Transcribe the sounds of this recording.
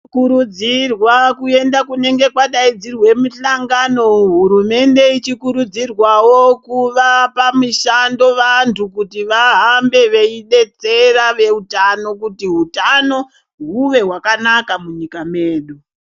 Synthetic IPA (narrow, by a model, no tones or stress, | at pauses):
kuɾud͡zirwakue̞ndakune̞ŋɡe̞kwaɗaid͡zirwe̞muɬaŋɡano̞ɦuɾume̞nde̞it͡ʃikuɾud͡zirwawo̞kuʋapamuʃando̞ʋantʰukutiʋaɦambe̞ʋe̞iɗe̞t͡se̞raʋe̞utano̞k̬utiɦutano̞ | ɦuʋe̞ɦwakanakamuɲikame̞ːɗu